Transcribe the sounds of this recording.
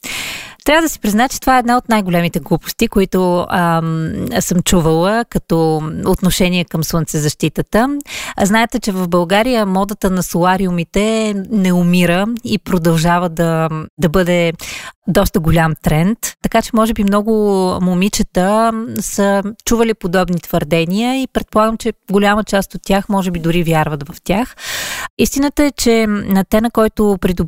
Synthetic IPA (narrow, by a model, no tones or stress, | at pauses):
t̪ɾʲavəd̪əsi̥pɾiznaɛt͡ʃɛt̪ovaɛːd̪naot̪najɡolʲɛmit̪ɛɡlˠupʊ̥st̪ikoit̪ʊə | səmt͡ʃuvəlˠəkɐt̪ɔot̪noʃɛniɛkəmslənt̪sɛzɐʃt̪it̪ət̪əznaɛt̪ɛt͡ʃɛvəvbɐlˠɡaɾijəmɔd̪ət̪ənɐsolˠaɾiʊmit̪ɛnɛʊmiɾəipɾod̪ɐlˠʒavəd̪ɐd̪ɐbɤd̪ɛ | d̪ɔst̪əɡolʲamt̪ɾɛnt̪ːɐkat͡ʃɛmɔʒɛbimnɔɡʊmomit͡ʃət̪əsət͡ʃuvəlipod̪ɔbnit̪v̥əɾd̪ɛniəipɾɛt̪̚polˠaɡəmt͡ʃɛɡolʲamət͡ʃast̪ot̪ːʲjaxmɔʒɛbid̪ʊɾivʲjaɾvɐt̪vɐft̪ʲjaxist̪inət̪əɛt͡ʃɛnɐt̪ɛnɐkɔjt̪ʊpɾid̪ʊ